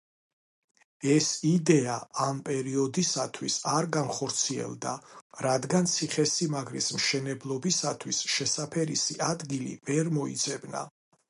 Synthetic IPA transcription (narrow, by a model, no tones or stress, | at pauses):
ɛsid̪ɛaampʼɛɾiɔd̪isat̪ʰwisaɾɡanχɔɾt̪sʰiɛ̰lˠd̪a̰ɾad̪ɡant̪sʰiχɛsimaɡɾismʃɛnɛblˠɔbisat̪ʰwisʃɛsapʰɛɾisiʔad̪ɡilḭvɛɾmɔḭt̪sʰɛbna̰